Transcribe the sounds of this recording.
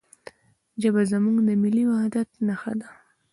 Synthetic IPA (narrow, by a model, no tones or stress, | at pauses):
d͡ʒabazamuŋɡd̪əmɪliwahd̪at̪naxa̰d̪a